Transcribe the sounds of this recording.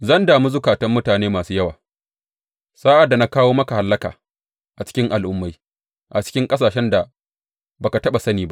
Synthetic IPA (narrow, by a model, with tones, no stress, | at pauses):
zɐ˦ndaː˨mu˦zʊ˦kaː˨tɐ˦mːʊ˦taː˨neː˦maː˨suː˦jɐ˦waː˨ | saː˦ʔa˨dːa˨na˦kaː˦woː˦mɐ˦ka˨ha˨lːɐ˦ka̰ː˨ | ʔa˨t͡ʃɪ̥˦kʲɪ˦ŋʔa˨lʔʊ˦mːa˦j | ʔa˨t͡ʃɪ̥˦kʲɪ˦ŋkʼɐ˦s̬aː˨ʃɛ˦nda˨ | ba˨ka˨tɐ˦ɓa˨sɐ˦niː˨ba˦ʔ